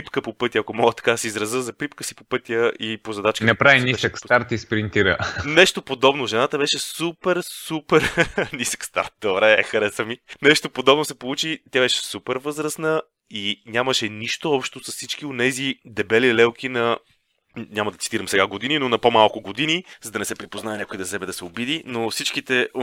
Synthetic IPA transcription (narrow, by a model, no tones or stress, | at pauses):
ipkəpopɤt̪ijəɐkomɔɡət̪ɐ̥kasiizɾɐzəzɐpɾipkəsipopɤt̪ijəʔipozɐd̪at͡ʃknɛpɾavinisəkst̪aɾt̪ispɾint̪iɾə̰nɛʃt̪opod̪ɔbnoʒɛnat̪əbɛʃɛsupɛɾsupɛɾnisə̥kst̪a̰ɾt̪̚d̪obɾɛxɐɾɛsəminɛʃt̪opod̪ɔbnosɛpolˠut͡ʃit̪jabɛʃɛ̥supɛɾvɤzɾəsnə | inʲaməʃɛniʃt̪oɔpʃt̪osɐssit͡ʃk̟ionɛzid̪ɛbɛlilɛlˠk̟inɐ | nʲamɐd̪ɐt̪i̥t̪iɾɐmsɛɡaɡod̪ininonɐpomalˠkʊɡod̪inizɐd̪ɐnɛsɛpɾipoznaɛnʲakʊid̪ɐsɛbɛd̪ɐsɛobid̪inofsit͡ʃkit̪ɛ